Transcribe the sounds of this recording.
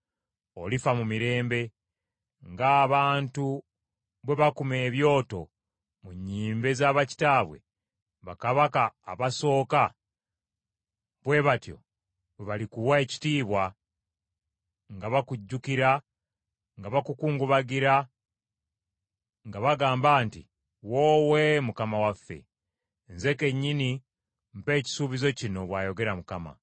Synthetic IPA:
olifamumiɾe̞ːmbe̞ | ŋɡaːβaːntu | βwe̞βakume̞ːβjo̞ːto̞̰ | muɲːiːmbe̞zaːβaci̥taːβwe̞̰ | βakaβaka̰ːβaso̞ːka | βwe̞βatjo̞̰ | βwe̞βalikuwae̞ci̥tiːβwa | ŋɡaβakuɟːukiɾa | ŋɡaβakukuːŋɡuβaɡiɾa | ŋɡaβaɡaːmbaːntḭ | woːwe̞mukamawafːe̞̰ː | nze̞ke̞ɲːini | mpe̞ːci̥suβizo̞cino̞βwaːjo̞ɡe̞ɾamukama̰

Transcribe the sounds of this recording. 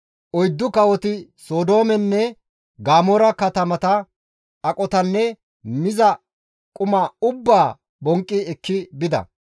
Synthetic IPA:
ʔɔjd̪ːʊkɐwɔt̪ɪsoːd̪o̞ːmɛnːɛ | ɡaːmɔɾɐkɐt̪ɐmɐt̪ɐ | ɐkʼɔt̪ɐnːɛ | mɪzɐ | kʼʊmɐʊbːaː | bɔŋkʼːɪɛkːɪbɪd̪ɐ̰

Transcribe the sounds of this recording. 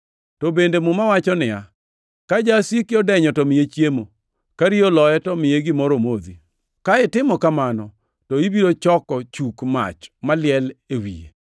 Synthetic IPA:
tɔbendemʊmawat͡ʃɔnɪja | kad͡ʒasikɪɔdɛɲɔtɔmɪjet͡ʃjemo | kaɾiolɔɛtɔmɪeɡɪmɔɾomod̪ḭ | kaɪtɪmɔkamanɔ | tɔibiɾot͡ʃɔkɔt͡ʃukma̰t͡ʃmalɪɛlewḭjḛ

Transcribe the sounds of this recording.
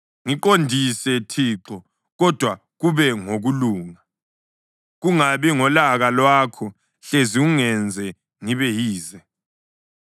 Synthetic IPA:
ŋiǃondʱisɛtʰiːǁɔ | ɣɔd̥ʱwa | ɣuβɛŋoɣuluːŋa | ɣuŋaβiŋɔlaɣalwaːkʰɔ | ɬeziuŋɛnd͡zʱɛ | ŋiβɛjiːzɛ

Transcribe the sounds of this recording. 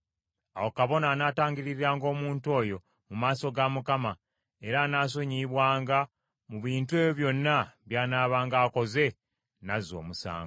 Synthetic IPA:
awo̞kaβo̞naːnaːtaːɲɡiɾiɾiɾaːŋɡo̞ːmuːntuo̞ːjo̞ | mumaːso̞ɡamukama | e̞ɾaːnaːs̬o̞ɲiβwaːŋɡa | muβiːntue̞ːjoβjo̞nːaβjaːnaːβaːŋɡaːko̞ze̞ | nazo̞̰ːmusa̰ːŋɡo

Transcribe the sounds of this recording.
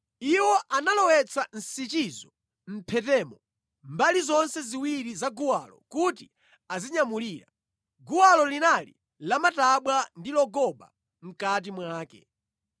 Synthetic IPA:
iwɔʔanalɔwɛt͡sʰan̩sit͡ʃizɔ | m̩pʰɛtɛːmɔ | mbalizɔnsɛziwiɾizaɡuwalɔ̰kuti | aziɲamuliːɾa̰ | ɡuwalɔlinalḭ | lamataɓwandilɔɡɔba̰ | m̩kat̬imwaːkɛ̰

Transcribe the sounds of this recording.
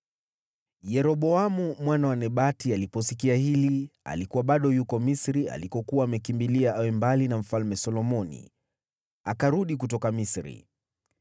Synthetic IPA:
jɛɾɔɓɔamumwanawanɛɓatialipɔsikiahilia̰likuwaɓaɗɔjukɔmisɾia̰likɔkuwaːmɛkimbiliaʔawɛmbalinam̩falmɛsɔlɔmɔnḭ | akaɾuɗik̬ut̬ɔkamisɾḭ

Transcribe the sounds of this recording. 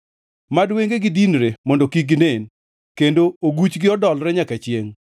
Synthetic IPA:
madweŋɡeɡɪdinɾemɔndɔkiɡɪnen | kendooɡut͡ʃɡɪɔdɔlɾɛɲakat͡ʃjeŋ

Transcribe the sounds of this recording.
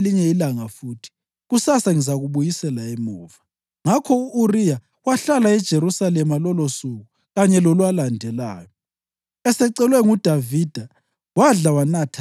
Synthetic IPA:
liɲɛilaŋafuːtʰi̥ | ɣusasaŋizaɣuɓujisɛlaemuːva | ŋakʰɔuʔurija | waɬalaɛd̥ʒ̥ʱeɾusalɛmalɔlosuɣu | ɣaɲɛlolwalandʱɛla̰ːjɔ | ɛsɛǀɛlwɛŋud̥ʱavid̥ʱa | waɮawanatʰa

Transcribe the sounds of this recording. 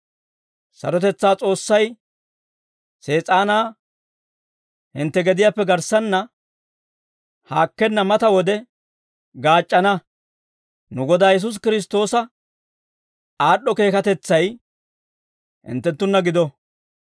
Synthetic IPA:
sɐ̰ɾɔt̪ɛt͡sːaːt͡sʼo̞ːsːɐj | se̞ːt͡sʼaːnaː | hɪnt̪ːɛɡɛd̪ɪjaːpːɛɡɐɾsɐnːɐ | haːkːɛnːɐmɐt̪ɐwɔd̪ɛ | ɡaːt͡ʃʼːɐnɐ | nʊɡɔd̪aːjɛs̬ʊs̬kɪɾɪs̬t̪o̞ːsɐ | aːɗːɔke̞ːkɐt̪ɛt͡sːɐj | hɪ̰nt̪ːɛnt̪ːʊnːɐɡɪd̪ɔ

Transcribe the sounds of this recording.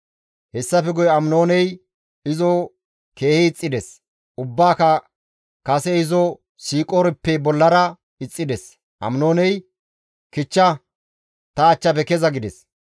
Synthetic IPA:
hɛsːɐfɛɡɔjɐmno̞ːnɛj | ɪzɔ | ke̞ːhɪːt͡sʼːɪd̪ɛs | ʊbːaːkɐ | kɐsɛɪzɔ | siːkʼoːɾɛpːɛbɔlːɐɾɐ | ɪt͡sʼːɪd̪ɛs | ʔɐ̰mnoːnɛj | kɪt͡ʃːɐ | t̪ɐːt͡ʃːɐpɛkɛzɐɡɪd̪ɛs

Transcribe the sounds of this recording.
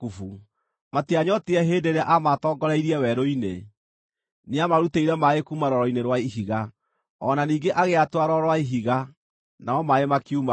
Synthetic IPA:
ufu | matiaɲɔtiɛɦeːdeɾeaʔamatɔːɡɔɾaiɾiɛwɛɾoine | neamaɾuteiɾɛmaekuːmaɾɔɾɔineɾwaiɦiɣa | ɔnaniːŋɡeʔaɣeatwaɾɔɾwaiɦiɣa | naɔmaemakiuma

